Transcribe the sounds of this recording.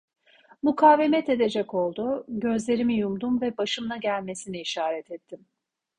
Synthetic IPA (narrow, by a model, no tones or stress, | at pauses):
mukʰaːve̞mɛt̪e̞d̪e̞d͡ʒɛco̞lˠd̪ʊɟø̞zlʲe̞ɾimijumd̪umvɛbaʃɯmlˠaɟælʲme̞siniiʃaːɾɛt̪ʰɛt̪ʰːim